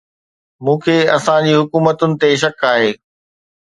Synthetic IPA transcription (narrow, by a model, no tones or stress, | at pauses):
mũːkʰeːɐsãd͡ʑiːɦʊkuːmət̪ʊnɪ̆t̪eʃ̬ɐkaːɦeː